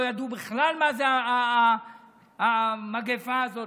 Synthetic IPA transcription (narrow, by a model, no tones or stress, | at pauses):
jad̪ubiχlalmazea | amaɡefaːzo